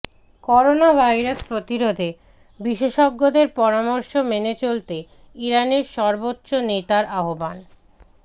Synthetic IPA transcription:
kɔɾonabʱajɾaspɾot̪iɾod̪ʱe | biʃeʃɔɡːod̪eɾpɔɾamɔɾʃomenet͡ɕolt̪e | iɾaneɾʃɔɾbotːɕonet̪aɾaɦoban

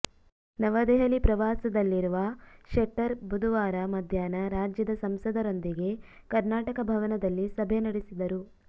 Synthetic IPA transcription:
nɐʋɐd̪ɛɦɐlipɾɐʋaːsɐd̪ɐlːiɾuʋɐʃeʈːɐɾbʱud̪ʱuʋaːɾɐmɐd̪ʱjaːnɐɾaːd͡ʒjɐd̪ɐsɐmsɐd̪ɐɾo̞nd̪iɡe̞ | kɐɾnaːʈɐkɐbʱɐʋɐnɐd̪ɐlːisɐbʱenɐɽisid̪ɐɾu

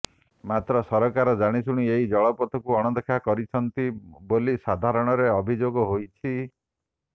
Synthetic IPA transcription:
mat̪ɾɔsɔɾɔkaɾɔd͡ʒaɽ̃isuɽ̃ieid͡ʒɔɭɔpɔt̪ʰɔkuɔɽ̃ɔd̪ɔkʰakɔɾit͡ʃʰɔnt̪ibolisad̪ʱaɾɔɽ̃ɔɾeɔbʱid͡ʒoɡɔɦojt͡ʃʰi

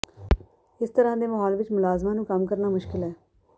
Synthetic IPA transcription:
ɪst̪əɾãːd̪eːməɦɔːlʋɪt͡ʃmʊlaːzmãːnũːkəmkəɾnaːmʊʃkɪlɦɛː

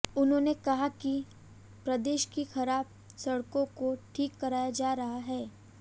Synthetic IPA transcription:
ʊnɦõːnekɐɦaki | pɾɐd̪eːʃkixɐɾaːb̚ | sɐɽkõkoʈʰiːkːɐɾaːjad͡ʒaːɾɐɦaɦɛː

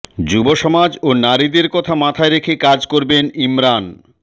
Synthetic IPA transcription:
d͡ʑuboʃɔmad͡ʑonaɾid̪eɾkɔt̪ʰamat̪ʰaeɾekʰekad͡ʑkoɾbenimɾan

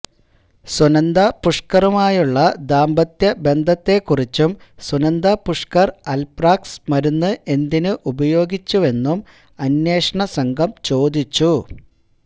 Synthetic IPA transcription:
sunɐnd̪apuʂkɐrumaːjuɭːɐd̪aːmbɐt̪jɐbe̞nd̪ʱɐt̪ːe̞kːurit͡ɕːumsunɐnd̪apuʂkɐrɐlpraːksmɐɾunːɨʔe̞nd̪inɨʔubɐjo̞ːɡit͡ɕːue̞nːum | ɐnːjeːʂɐɳɐsɐŋɡʱɐmt͡ɕo̞ːd̪it͡ɕːu

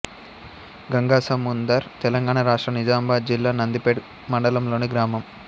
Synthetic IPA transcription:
ɡɐŋɡaːsɐmund̪ɐɾt̪ɛlɐŋɡaːɳaɾaːʂʈɾɐnid͡ʒaːmbaːd͡ʒilːaːnɐnd̪ipeːɽ | mɐɳɖɐlɐmlo̞ːniɡɾaːmɐm

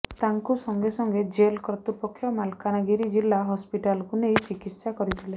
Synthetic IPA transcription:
t̪aŋkusɔŋɡesɔŋɡed͡ʒelkɾt̪upɔkʰjɔmalkanaɡiɾid͡ʒilːaɦɔspiʈalkunejt͡ʃikit̪sakɔɾit̪ʰile

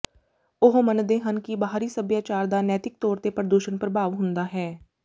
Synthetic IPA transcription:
ʊɦmənd̪eːɦənkibaɦaːɾisəbjaːt͡ʃaːɾd̪anɛːt̪ɪk̚t̪ɔːɾt̪epɾəd̪uːʃənpɾəbʱaːʋɦʊ̃nd̪aɦɛː

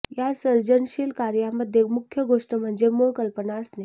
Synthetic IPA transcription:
jasəɾd͡ʑənʃiːlkaɾjaməd̪ʱjemukʰːjəɡoʂʈəm̤əɳd͡zemoɭkəlpənasne

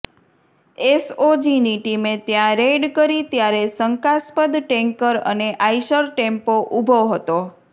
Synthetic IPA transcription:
esod͡ʒiniʈimet̪jãɾeɖkəɾit̪jaɾesəŋkaspəd̪ʈeŋkəɾə̰neʔajʃəɾʈempoʔubʱoɦət̪o

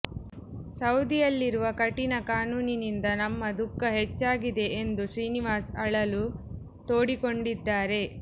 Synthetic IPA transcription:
sɐwd̪ijɐlːiɾuʋɐkɐʈinɐkaːnuːninind̪ɐnɐmːɐd̪ukːɐɦet͡ʃːaːɡid̪e̞ʔend̪uʂɾiːniʋaːsɐɭɐlu | t̪o̞ːɽiko̞ɳɖid̪ːaːɾe̞

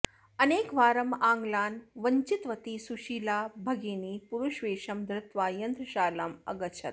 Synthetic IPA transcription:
ɐneːkʋaːɾɐmãːŋɡlaːnʋɐɲt͡ʃɪt̪ʋɐt̪isuʃiːlaːbʱɐɡeːniːpuɾuʃʋeːʃɐmd̪ɾɪt̪ʋaːjɐnd̪ɾʃaːlɐmɐ̰ɡət͡ʃʰɐt̪̚

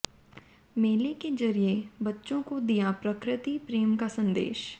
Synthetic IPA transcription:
meːleked͡ʒəɾiebətːʃõkod̪ɪjapɾəkɾɪt̪iːpɾeːmkasənd̪ḛːʃ

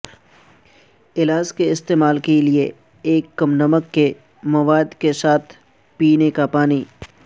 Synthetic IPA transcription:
ɪlaːd͡ʒkeɪst̪eːmaːlkelie | eːkːɐmnɐməkːe | mɐʋaːd̪kesaːt̪ʰ | piːnekapaːniː

